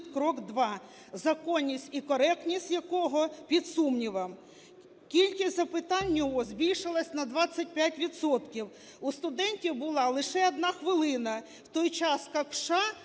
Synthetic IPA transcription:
tʲkɾɔkd̪ʋɑ | zɐkɔnʲːisʲtʲikɔɾɛk̚t̪nʲisʲtʲjɐkɔɦɔpʲid̪sumnʲiʋɐm | kʲilʲkʲisʲt̪ʲzɐpɪt̪ɑnʲːjɔɦɔzʲbʲilʲʃɪlˠɐsʲnɐd̪ʋɑt͡sʲːɐt̚ʲpʲjatʲʋʲid̪sɔt̪kʲiw | ust̪ʊd̪ɛnʲtʲiwbʊlˠɑlˠɪʃɛɐd̪nɑxʋɪlˠɪnɐ | wt̪ɔjt͡ʃɑskɑkʃɑ

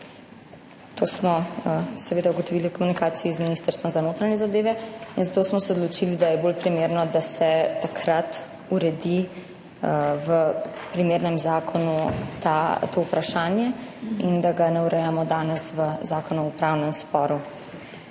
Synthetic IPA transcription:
t̪osmɔsɛʋeːd̪auɡɔt̪ɔʋilikɔmunikaːsiizminist̪əɾst̪ʋɔmzanoːt̪ɾaɲɛzad̪eːʋɛinzat̪oːsmɔsɛɔd̪lɔt͡ʃilid̪ajɛbolpɾimeɾnɔd̪asɛt̪akʰɾat̪ | uɾɛd̪i | ʋəpɾimeːɾnɛmzaːkʰɔnut̪at̪oupɾaʃaːnjɛind̪aɡanɛuɾɛjamɔd̪aːnɛsʋəzaːkɔnuupɾawnɛmspɔːɾu

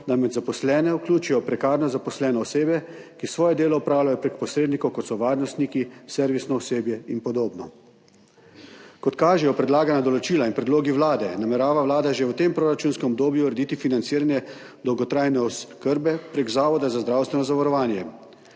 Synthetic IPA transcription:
d̪amɛd̪zapɔslɛːnɛuklʲuːt͡ʃijɔpɾɛkaːɾnɔzapɔslɛːnɛːseːbɛ | kisʋɔːjɛd̪eːlɔupɾaːwlʲajɔpɾek̚pɔsɾeːd̪nikɔwkɔt̪sɔʋaːɾnɔst̪nikisɛɾʋisnɔɔseːbjɛinpɔd̪oːbnɔ | kɔt̪kaːʒɛjɔpɾɛd̪laːɡanad̪ɔlɔt͡ʃiːlainpɾɛd̪loːɡiʋlaːd̪ɛnamɛɾaːʋaʋwlaːd̪aʒewt̪empɾoːɾat͡ʃuːnskɛmɔb̚d̪oːbjuɾɛd̪iːt̪ifinant̪siːɾanjɛ | d̪ɔwɡɔt̪ɾaːjnɛɔskəɾbɛpɾeɡzaːʋɔd̪azazd̪ɾawst̪ʋɛnɔzaʋaɾɔʋaːnjɛ

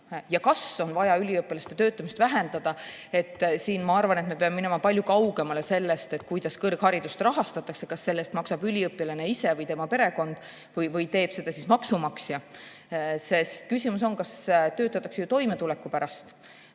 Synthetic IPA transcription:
jɑkɑso̞nvɑjɑylʲiɤpːˑilɑst̪e̞t̪ø̞ːt̪ːˑɑmist̪væɦe̞nd̪̥ɑd̪̥ɑ | e̞t̪ːˑsiːnmɑɑrvɑne̞t̪me̞peɑmemine̞mɑpɑlʲjukɑwɡ̥e̞mɑle̞se̞lːe̞st̪e̞t̪ːˑkujd̪̥ɑskɤrkhɑɾid̪̥ust̪rɑɦɑst̪ɑt̪ːˑɑkse̞̥kɑsːe̞lːe̞st̪mɑksɑbylʲiɤpːˑilɑne̞ise̞vɤjt̪e̞mɑpe̞ɾe̞ko̞nd̪̥ | vɤjvɯjt̪e̞ːb̥se̞d̪̥ɑsismɑksumɑksjɑ | se̞st̪kysʲimus̬o̞nkɑst̪ø̞ːt̪ːˑɑt̪ːˑɑkse̞jut̪o̞jmet̪ulekːˑupæɾɑst̪

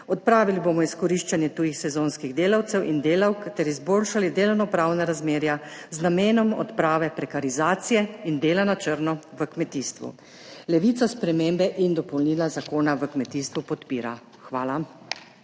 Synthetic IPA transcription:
ɔt̪̚pɾaːʋilibomɔiskɔɾiʃt͡ʃanjɛt̪uːjixsɛzonskiɣd̪eːlawt̪sɛwʔind̪eːlawkt̪ɛɾizboːlʃalid̪eːlɔwnɔpɾaːwnaɾazmeːɾjaznameːnɔmɔ̰t̪pɾaːʋɛpɾɛkaɾizaːt̪sijɛind̪eːlanat͡ʃəɾnɔʋəkmɛt̪iːst̪ʋṵ | lɛʋit̪saspɾɛmembɛʔind̪ɔpɔwlniːlazakoːnaʋəkmɛt̪iːst̪ʋupɔt̪piːɾa | xʋaːla

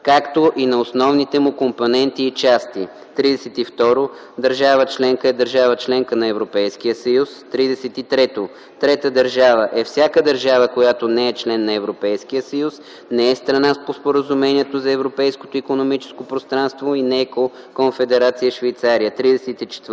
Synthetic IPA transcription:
kakt̪oʔinɐosnɔvnit̪ɛmʊkomponɛnt̪iːt͡ʃast̪i | t̪ɾid̪ɛsɛt̪ift̪ɔɾo | d̪ɐɾʒavət͡ʃlɛŋkəɛd̪əɾʒavət͡ʃlɛŋkənɐɛvɾopɛjsk̟ijəsəjust̪ɾid̪ɛsɛt̪it̪ɾɛt̪o | t̪ɾɛt̪əd̪əɾʒavəʔɛfsʲjakəd̪əɾʒavəkojat̪onɛɛt͡ʃlɛnːɐɛvɾopɛjsk̟ijəsəjus | nɛɛst̪ɾɐnaspospoɾəzumɛniɛt̪ozɐɛvɾopɛjsko̥t̪oikonomit͡ʃɛ̥skopɾost̪ɾanst̪voinɛɛko | konfɛd̪ɛɾat̪sijəʃvɛjt̪saɾijət̪ɾid̪ɛsɛt̪it͡ʃɛ̥t̪

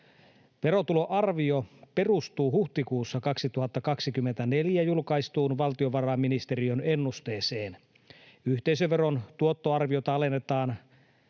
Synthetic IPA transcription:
ʋe̞ɾo̞t̪ulo̞ʔɑrʋio̞pe̞rust̪uːɦuht̪ikuːsːɑkɑksit̪uɦɑt̪ːɑkɑksik̟ymːent̪æne̞ljæjulkɑjst̪uːnʋɑlt̪io̞ʋɑrɑːmːinist̪e̞ɾione̞nːust̪e̞ːse̞ːn | yht̪eisøʋʋe̞ɾo̞nt̪uo̞t̪ːo̞ɑrʋio̞t̪ɑɑle̞nːe̞t̪ɑːn

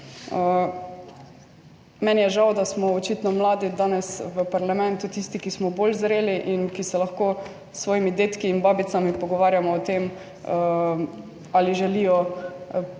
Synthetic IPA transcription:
ə | mɛnjɛʒawd̪asmɔɔt͡ʃit̪nɔmlaːd̪id̪aːnɛsʋəpaɾlamɛ̃nt̪ut̪ist̪ikismɔbolzɾeːliʔinkisɛlaxkoː | sːʋɔːjimid̪et̪kiːnbaːbit̪samipɔɡɔʋaːɾjamɔːt̪em | ə | aliʒɛlijɔ

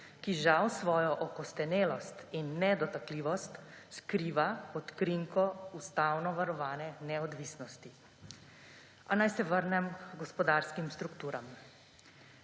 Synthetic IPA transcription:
kiʒawsʋɔːjɔʔɔkɔst̪ɛneːlɔst̪inːɛd̪ɔt̪akliːʋɔst̪skɾiːʋaɔt̪kɾiŋkʰɔust̪awnɔʋaɾɔʋaːnɛnɛɔd̪ʋiːsnɔst̪i | anajsɛʋəɾnɛmɡɔspɔd̪aːɾskimst̪ɾukt̪uːɾam

